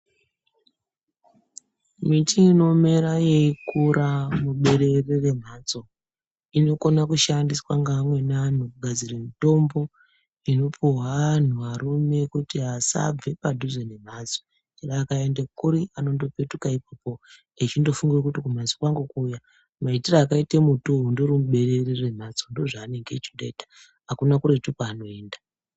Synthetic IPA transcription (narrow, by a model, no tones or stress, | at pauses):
mitiino̞me̞ɾajekuɾamuɓe̞ɾe̞rere̞m̤aːt͡so̞ | ino̞ko̞nakuʃandiswaŋɡaːmwe̞nan̤ukuɡʱad͡ziremito̞mbo̞ | ino̞pʰuɦwaan̤uʋaɾume̞kutiɦasa̰b͡ve̞padʱuzenem̤ad͡zo | eɾaːkaendekuɾiano̞ndo̞pe̞tukaip̚apo | it͡ʃindo̞fuŋɡirekutikum̤azwokwaŋɡukuːja | maitiraːkaitemutoɦundoɾimuɓe̞ɾe̞rirem̤at͡sondo̞ʐaːne̞ŋɡe̞t͡ʃindoitḁ | ɦakunakuɾetukaːno̞e̞ːnda